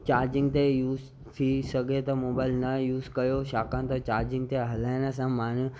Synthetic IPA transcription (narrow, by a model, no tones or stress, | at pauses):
t͡ɕaːɾd͡ʑɪ̃ŋɡ̚t̪ejuːz | t̪ʰisɐɡʱet̪ɐmoːbaːɪlnɐjuːzkɐjoʃaːkə̃nt̪ot͡ɕaːɾd͡ʑɪ̃ŋɡ̚t̪eɦɐlaːɪñəs̬ãmaːn